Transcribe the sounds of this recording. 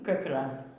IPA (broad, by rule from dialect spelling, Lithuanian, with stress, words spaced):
kɐkˈrɐs